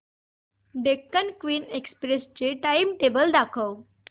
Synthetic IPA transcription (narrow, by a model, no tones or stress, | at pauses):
ɖekːənkʋiːnekspɾest͡ɕeʈaimʈebəld̪akʰəw